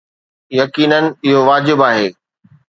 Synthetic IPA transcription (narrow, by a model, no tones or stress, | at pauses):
jɐkiːnənɪ̆ɪɦoʋaːd͡ʑɪbaːɦeː